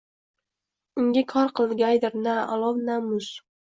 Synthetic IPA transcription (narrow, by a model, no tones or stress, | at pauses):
ʊŋɡʲakʰɒɾqʰɨlˠɡʲajd̪ɪɾnaa̰lˠɒvnamʊs